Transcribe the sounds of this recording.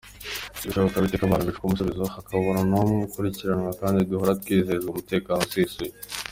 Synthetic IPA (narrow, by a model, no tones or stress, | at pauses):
diʃoβokaβitekaβaːnoβifu̥kumusuβizohakʰaβoɾonomukuɾiciɾanŋakaːndid̪uɦoɾat̪u̥kiizezɡumute̞ːkaːnosisuje